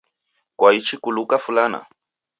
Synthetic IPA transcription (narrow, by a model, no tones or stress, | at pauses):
kwait͡ʃikulukafulana̰